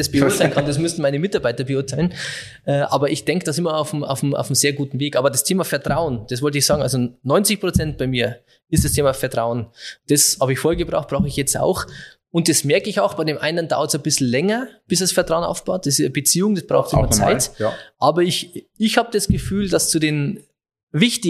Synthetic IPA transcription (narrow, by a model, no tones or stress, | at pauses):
d̥ɛsb̥eʊtʰaɪlnkʰandas̬mʏstn̩maɪnəmɪtaɐbaɪtɐbəʊɐtʰaɪln | ʔɛʔa̰ːbɐʔɪçd̥ɛŋkəd̥asɪmɐaʊfm̩a̰ʊfm̩a̰ʊfm̩z̥eːɐɡuːtn̩veːkʔaːbɐdastʰeːmafɛɐtʁ̥aʊənd̥asvɔltəɪçz̥aːɡŋ̩a̰lzonɔʏnt͡sɪçpʁ̥ot͡sɛnt̚b̥aɪmiːɐ | ɪstd̥astʰeːmafɛɐtʁ̥aʊənd̥ɐshaːbəɪçfoːhjɐɡəbʁa̰ʊxt̚b̥ʁaʊxəɪçjɛt͡sta̰ʊx | ʊnt̚d̥asmɛɐkəɪçaʊxb̥aɪdeːmʔa̰ɪnəndaʊɐtsabɪsl̩lɛŋɐb̥ɪsd̥asfɛɐtʁaʊəna̰ʊfb̥aʊt̚d̥ɛsɪəbət͡siːʊŋd̥ɐsb̥ʁa̰ʊxtɪmɐt͡sa̰ɪtʔaːbɐɪç | ɪçhaːbəd̥asɡ̥əfyːld̥ast͡sudeːn | vɪçtɪ